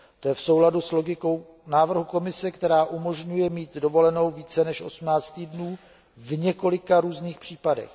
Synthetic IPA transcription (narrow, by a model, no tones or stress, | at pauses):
t̪o̞jɛfso̞wladuslo̞ɡɪkow | naːvr̩ɦuko̞mɪsɛkt̪ɛɾaːʔumo̞ʒɲujɛmiːt̪do̞vo̞lɛno̞wviːt͡sɛnɛʃʔo̞̰smnaːt͡st̪iːdnuː | vɲɛko̞lɪkaɾuːzniːxpr̝̥iːpadɛ̰x